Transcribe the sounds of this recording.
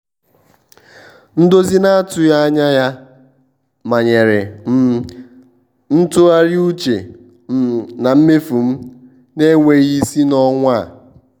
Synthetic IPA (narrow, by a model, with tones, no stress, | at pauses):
n̩˦do˦zi˦na˦tʊ˨ja˦a˦ɲa˦ja˦ | ma˨ɲe˨ɾɪ˨˦ | n̩˦tʊ˦a˦ɾɪ˦u˦t͡ʃe˨˦ | na˨m̩˦me˦fu˨m̩˦ | ne˦ŋʷe˨ɣi˦si˦nɔ˦ŋʷa˦˨